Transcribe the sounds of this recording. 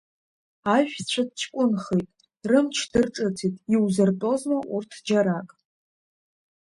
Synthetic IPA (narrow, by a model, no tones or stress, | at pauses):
aʒᶣt͡ɕʷʰadt͡ʃʰkʷʼʊnχejtʼ | rɨmt͡ʃʰd̥ɨrʈ͡ʂʼɨtʰitʼiwzɨrtʼo̞zmaʔurtʰd͡ʒaɾakʼ